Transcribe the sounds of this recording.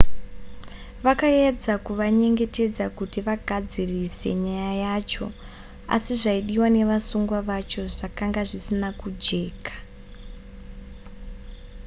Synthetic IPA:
ʋakaed͡zakuʋaɲe̞ŋɡe̞te̞d͡zakutiʋaɡʱad͡zirise̞̰ɲajaajat͡ʃo̞̰ | a̰siʐaiɗiwane̞ʋasuŋɡwaʋat͡ʃo̞ʐakaŋɡaʐisinakud͡ʒe̞ːkḁ

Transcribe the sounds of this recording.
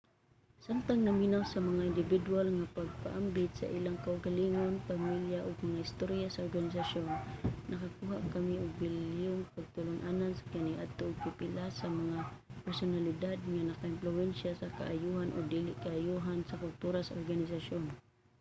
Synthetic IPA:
sant̪aŋnaminawsamaŋaɪnd̪ɪvɪd̪ualŋapaɡ̚pa̰ʔambɪt̪sa̰ʔilaŋkaʊɡaliŋonpamiljaʔʊɡ̚maŋahɪst̪oɾjasaoɾɡanɪs̬aʃonːʔɐkakuɦaʔkamiʊɡ̚bɪljʊŋpaɡ̚t̪ʊlʊŋʔanansḁkaniʔad̪̚t̪oʔʊɡ̚pɪpɪlasamɐŋapɛɾsʊnalɪd̪ad̪̚ŋanakaɪmplʊwɛnʃasaka̰ʔajuɦanʔʊɡ̚d̪ilɪʔkaːjuɦansakʊlt̪uɾasaʔoɾɡanɪsaʃon

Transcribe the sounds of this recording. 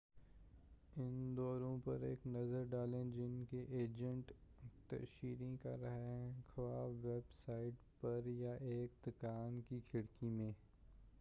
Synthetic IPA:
ɪnd̪ɔːɾõpɐɾeːknɐzəɾɖaːlẽd͡ʒɪnkeʔeːd͡ʒə̃ɳʈt̪ɐ̰ʃiːɾĩka̰ɾɐɦeɦɛ̃xʰɐʋaːʋebsaːɪʈ | pɐɾjaʔeːkd̪ʊkaːnkikʰɪɽkimẽː

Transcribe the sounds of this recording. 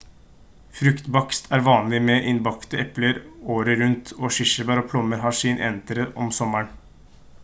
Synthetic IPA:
fɾʉkt̪bɑkst̪ʰæːɾʋɑːnlɪmɛʔɪnbɑkt̪əɛpləɾoːɾəɾʉnt̪ʰoːʂɪʂəbæːɾɔːpʰlɔmːəɾɦɑːʂiːnʔɛ̰nt̪əɾəʔɔmsɔməɳ

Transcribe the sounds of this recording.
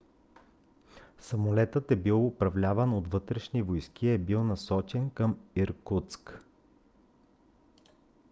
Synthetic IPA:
sɐmolɛt̪ət̪ɛbilˠʊpɾɐvlʲavənot̪vɤt̪ɾɛʃnivojskʲiɛbilˠnɐsɔt͡ʃɛnkəmiɾkut̪sk

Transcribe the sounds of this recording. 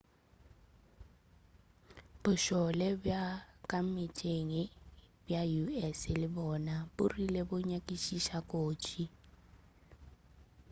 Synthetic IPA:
b̥ʊʃɔlɛbjakʼamitʼeŋɪbjajuɛsɪlɪbɔnabʊrilebʊɲakʼiʃiʃakʼoːt͡ʃʼi

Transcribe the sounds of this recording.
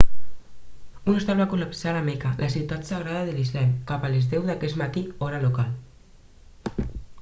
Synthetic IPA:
unost̪alβakulapsalamekalʔasiwt̪at̪saɣ̞ɾaðaðelizlɛmkapalezðɛwðakɛst̪mat̪iɔɾalokal

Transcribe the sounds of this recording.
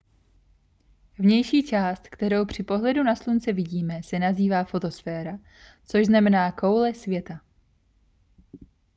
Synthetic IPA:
vɲɛjʃiːt͡ʃaːst̪kt̪ɛɾo̞wpr̝̥ɪpo̞ɦlɛdunaslunt͡sɛvɪɟiːmɛsɛnaziːvaːfo̞t̪o̞sfɛːɾa | t͡so̞ʒznamɛnaːko̞wlɛsvjɛt̪a

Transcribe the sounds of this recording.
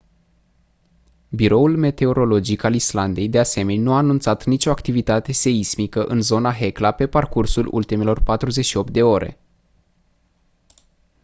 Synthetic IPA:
biɾo̞ulme̞t̪e̞o̞ɾo̞lo̞d͡ʒikalisland̪e̞jd̪ease̞me̞nʲnuaːnunt̪sat̪nit͡ʃo̞akt̪ivit̪at̪e̞se̞izmikəʔɨnzo̞naɦe̞klape̞parkursulʔṵlt̪ime̞lo̞rpat̪ɾuze̞ʃio̞p̚t̪̚d̪e̞o̞ɾe̞̰

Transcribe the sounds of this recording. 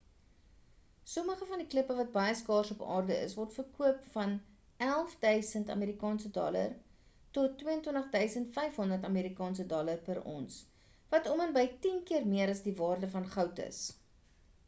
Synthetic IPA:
soməχəfɐndikləpəvɐt̚bɐjəskɑːrsɔpɑ̰ːrdəə̰svɔrtfərkuəpfɐn | ælˠfdœɥsəntɐ̰meːɾikɑːnsədɔ̰lə̰r | tɔtːwiəəntwəntəχdœɥsəntfɛjfɦɔndərtɐmeːɾikɑːnsədɔlərpəɾɔ̰ns | vɐtɔmənbəjtinkiərmiəɾɐsdivɑːrdəfɐnχɐwtə̰s

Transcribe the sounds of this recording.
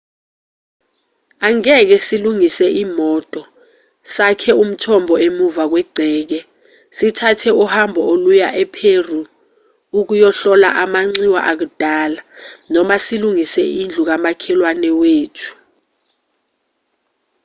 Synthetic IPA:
aŋɛk̬ɛsiluŋisɛʔiːmɔtʼɔ | sakʰɛum̩tʰɔmbʱɔemuvak̬wɛɡ͡ǀʱɛːk̬ɛ | sitʰatʰɛuhambʱɔolujaʔɛpʰeru | uk̬ujɔɬɔla̰ʔamaŋ͡ǀiwa̰ʔak̬ud̥ʱaːlanɔmasiluŋisɛind͡ɮʱuk̬amakʰɛlwanɛweːtʰu̥

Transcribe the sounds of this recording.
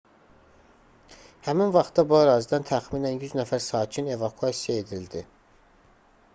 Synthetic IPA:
hæminvɑχt̪̚ːɑbuæɾɑːzid̪ænt̪ʰæxmiːnænjyznæfæɾsɑːcʰine̞vɑkʰyɑsijɑe̞d̪ild̪i

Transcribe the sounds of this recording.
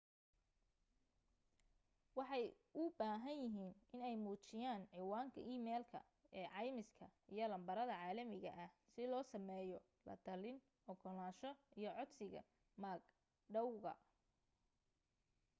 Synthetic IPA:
wɑħɑjʔʊbaːɦɐnjɪɦiːnʔɪnɛjmuːt͡ʃɪjaːnʕiwaːŋkʰɐʔiːmɛːlkʰɐ̰ | ɛːʕɑjmɪskʰɐʔijɞlɐmbɐɾɐðɐʕɑːlɐmɪɣɐ̰ʔɐhsɪlɔːsɐmɛːjɔ | lɐ̰d̪ɐlɪn | ʔɔɡɔlaːʃɔʔijɔʕɔd̪sɪɣɐ̰ | maːɡ | ɖɐwɣɐ̰

